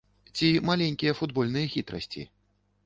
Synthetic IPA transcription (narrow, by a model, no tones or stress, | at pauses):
t͡sʲimalʲɛnʲkʲijɐfud̪bɔlʲn̪ɨjɐxʲit̪ɾɐ̰sʲt͡sʲḭ